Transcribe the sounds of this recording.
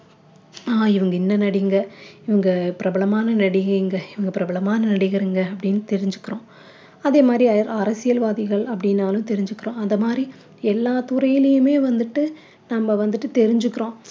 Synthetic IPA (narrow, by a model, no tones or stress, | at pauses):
aːɪʋɐŋɡɐɪnːɐnɐɽɪŋɡɐɪʋɐŋɡɐpɪɾɐbɐlɐmaːnɐnɐɽɪɣɐɾɪŋɡɐɪʋɐŋɡɐpɪɾɐbɐlɐmaːnɐnɐɽɪɣɐɾɪŋɡɐɐpːɐɽɪnːɯt̪ɛɾɪɲd͡ʒɯkːɪɾõː | ɐðeːmaːd̪ɾiɐɾɐɾɐsɪjɐlʋaːðɪɣɐɭɐpːɐɽɪnːaːlɯ̃t̪ɛɾɪɲd͡ʒɯkːɪɾõːɐnd̪ɐmaːd̪ɾi | ɛlːaːt̪ʊɾɐjɪlɐjɯmeːʋɐnd̪ɯʈːɯ | nɐmːɐʋɐnd̪ɯʈːɯt̪ɛɾɪɲd͡ʒɯkːɪɾõː